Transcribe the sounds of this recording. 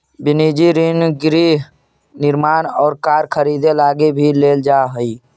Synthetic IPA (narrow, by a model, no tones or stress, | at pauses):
bɪniːd͡ʒiɾinɡɾi | nɪɾmaːnɔːɾkaːɾkʰəɾiːd̪elaːɡebʱileːld͡ʒaːɦʊi